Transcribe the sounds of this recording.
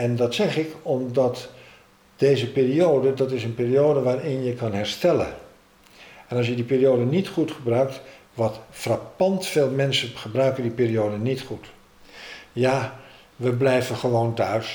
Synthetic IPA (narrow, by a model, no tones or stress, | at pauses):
ɛndɑtsɛχɪkɔmdɑt | d̥eːzəpiːrioːdədɑtɪsənpiːrioːdəʋaːrɪnjəkɑnɦɛrstɛlə̰ | ɛnɑs̬jədipiːrioːdənitχutχəbrœɥk̚t | ʋɔtfrapɑntfeːlˠmɛnsəχəbrœɥkəndipiːrioːdənitχut | ja | ʋəblɛjvəχəʋoːntœɥs